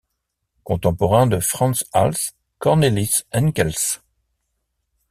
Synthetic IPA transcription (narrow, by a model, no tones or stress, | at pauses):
kɔ̃t̪ɑ̃pɔʁɛ̃d̪əfχɑ̃nsa̰ls | kɔʁnelisɛnkɛls